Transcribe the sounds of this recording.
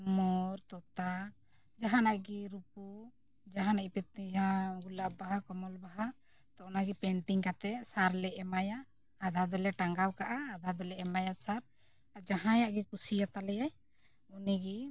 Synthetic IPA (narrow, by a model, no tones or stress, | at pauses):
mɔɾt̪ɔt̪a | d͡ʒaɦanaɡiɾupu | d͡ʒaɦanaipɛjaɡulabaɦakɔmɔlbaɦa | t̪ɔʔɔnaɡɛpɛɳʈiŋkat̪ɛsaɾlɛɛmajaː | d̪ʱad̪ɔlɛʈaŋɡawkaʔaːd̪ʱad̪ɔlɛɛmajasaɾ | ad͡ʒaɦãjaʔɡɛkusijat̪alɛjaj | uniɡɛ